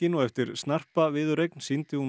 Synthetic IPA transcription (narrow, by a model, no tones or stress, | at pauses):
ɪnɔɣɛft̪ɪɾ̥st̪nar̥pavɪðʏɾejknsint̪ɪum